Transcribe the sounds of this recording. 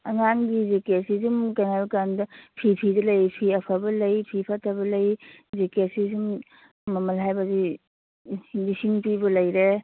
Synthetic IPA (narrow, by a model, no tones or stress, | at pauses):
ɐŋaŋɡizikesizumkajŋabɐkandɐpʰipʰidɐlɐjpʰiɐpʰabɐlɐjpʰipʰatʰɐbɐlɐj | zekesisumː | ɐmɐlɦajbɐzi | disiŋpibɐlɐjɾe